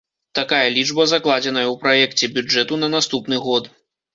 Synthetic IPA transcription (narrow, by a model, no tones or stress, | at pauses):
t̪akajɐlʲid͡ʐbɐzaklˠad͡zʲɛnɐjɐwpɾajɛkt͡sʲɛbʲud͡ʐɛt̪unɐnast̪upnɨɣɔt̪